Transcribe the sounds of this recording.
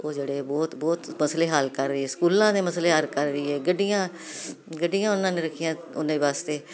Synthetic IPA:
oːd͡ʒeːɽeːbɔːt̪bɔːt̪məsleːɦəlkəɾːəiːɛːskuːlãːd̪eːməsleːɦəlkəɾːəiːɛːɡəɖijãː | ɡəɖɪjãːʊnːãːnẽːɾəkʰɪjãː | ʊnãːiʋaːst̪eː

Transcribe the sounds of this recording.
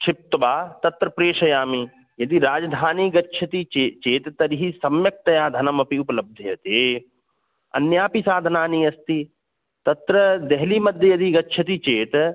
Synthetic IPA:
t͡ʃʰɪp̚t̪ɐbaːt̪ɐt̪ɾɐpɾeːʃɐjaːmi | jɐd̪iɾaːd͡ʒɐd̪ʱaːniɡɐtːʃʰɐt̪it͡ʃet͡ʃeːt̪t̪ɐɾiɦisɐmjɐk̚t̪ɐjaːd̪ʱɐnɐmɐpiupɐlɐb̚d̪ʱjɐjɐt̪eː | ɐ̰njaːpisaːd̪ʱɐnaːniɐst̪i | t̪ɐt̪ɾɐd̪eɦlimɐd̪ʱjɐjɐd̪iɡɐtːʃʰɐt̪it͡ʃeːt̪

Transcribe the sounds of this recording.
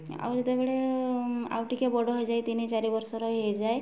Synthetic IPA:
a̰wɾd͡ʒet̪ebeɽe | a̰wʈikebɔɽɔɦɔjd͡ʒajt̪init͡ʃaɾibɔɾsɔɾɔɦejd͡ʒaj

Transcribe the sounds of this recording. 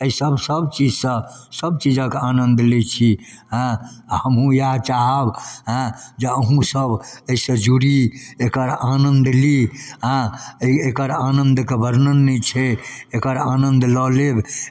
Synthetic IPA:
əisəbsəbt͡ʃid͡ʒsə̃səb̚t͡ʃid͡ʒə̃keanənd̪lit͡ʃʰiɦə̃həmɦũjat͡ʃaɦəbɦə̃d͡ʒeəɦũsəbəisə̃d͡ʒuɾiekəɾanənd̪liɦə̃ekəɾanənd̪kebʱəɾnənːit͡ʃʰɛekəɾanənd̪lɔleb

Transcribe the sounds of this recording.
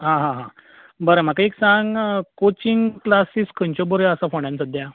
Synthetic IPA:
ɦãɦãɦã | bəɾəm̤akaiksãŋɡkot͡ɕiŋɡklasiskʰə̃ɲt͡ɕɔbəɾjəsafoɳjãnt͡səd̪ja

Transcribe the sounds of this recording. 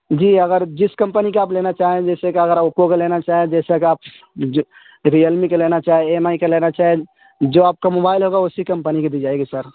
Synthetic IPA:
d͡ʒiəɡəɾd͡ʒiskəmpənikeaːplenat͡ʃaɦed͡ʒɛsekeəɡəɾokokelenat͡ʃaɦed͡ʒɛsekeaːp̚ | ɾiəlmikelenat͡ʃaɦɛemaikelenat͡ʃaɦe | d͡ʒoaːp̚kemobajlɦoɡaosikəmpəniked̪id͡ʒajɡesəɾ

